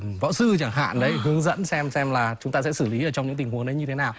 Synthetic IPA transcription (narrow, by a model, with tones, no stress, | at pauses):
vɔ̰˧˥sɨ˧t͡ɕa˧˩ŋɦa̰ː˧˨nɗə˨˦jɦɨ˨˦əŋzə̰˧˥nsɛ˧msɛ˧mlaː˨˩t͡ɕʊ˨˦ŋ͡mt̪aː˧sɛ̰˧˥sɨ˧˩li˨˦ʔəː˧˩t͡ɕɔ˧ŋ͡mɲɨ̰˧˥ŋt̪i˨˩ŋ̟hu˨˦ənɗə˨˦jɲɨ˧t̪ʰe˨˦naː˨˩w